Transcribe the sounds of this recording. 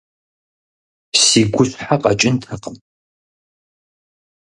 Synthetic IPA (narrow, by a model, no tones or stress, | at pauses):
siːɡʷʊɕħaqɐt͡ʃʼɪntʰɐqəm